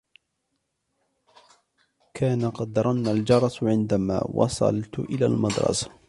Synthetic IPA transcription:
kʰaːnaqɑd̪ːɑɾˤɑnːald͡ʒɑɾˤɑsʕɪnd̪ama̰ːwɑ̰sˤɑ̰lt̪ʔɪlaːlmɑd̪ɾˤɑ̰sḁ

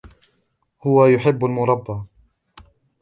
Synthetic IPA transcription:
hʊwajʊħɪbːalmʊɾˤɑbːa

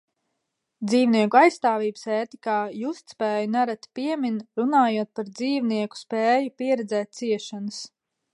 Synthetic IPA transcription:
d̪ziːwniɛkuajsːt̪aːviːbə̥seːt̪ikaːjuːst̪spɛːjunaɾat̪piɛminɾunaːjuɔt̪̚paɾd̪ziːwniɛku̥spɛːjupiɛɾɛd̪zɛːt̪̚t̪siɛʃanəs

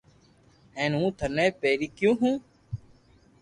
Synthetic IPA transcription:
ẽːnũːt̪ʰənẽːpeːɾiːkjũːɦũː

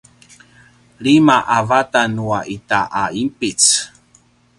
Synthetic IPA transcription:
ɭimaʔavatanuaʔitaʔaimpit͡s

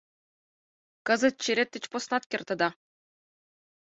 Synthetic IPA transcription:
kɤ̆zɤ̆t̪̚t͡ɕiɾʲet̪ʲːɘ̆t͡ɕposnɑt̪̚kʲɘ̆rʲt̪ɤ̆d̪ɑ

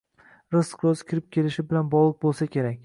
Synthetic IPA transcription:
ɾɪsqɾozkʲʰɪɾɪp̚kʲʰe̞lɪʃɪbɪlanbɒlˠɨq̚bolˠsakʲʰe̞ɾak̚ʲ

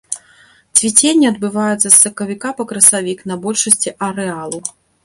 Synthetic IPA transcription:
t͡sʲvʲit͡sʲenʲːiɐd̪̚bɨvajɛt̪sɐsːɐkɐvʲikapɐkɾɐsavʲiknɐbɔlʲʂɐsʲt͡sʲiʔɐɾɛalˠu

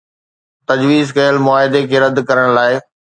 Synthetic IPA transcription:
t̪ɐd͡ʑʋiːzkɐjəlmʊaːɦɪd̪ekʰeːɾɐd̪kɐɾəɽ̃laːɪ

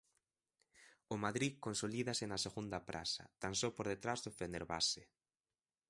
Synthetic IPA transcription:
ʊmaðɾikonsoliðɐsɪnɐseɣund̪ɐpɾʔa̰sɐ̰t̪ansopoɾðet̪ɾazðʊfeneɾβa̰se

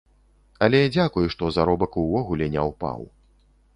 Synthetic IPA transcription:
ɐlʲɛd͡zʲakujuʂt̪ɔzaɾɔbɐkuvɔɣulʲɛnʲɛwpa̰w

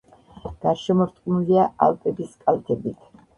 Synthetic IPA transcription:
ɡ̥aɾʃɛmɔɾt̪ʼqʼnuliaa̰lˠp̪ʼɛbiskʼalˠt̪ʰɛbit̪ʰ

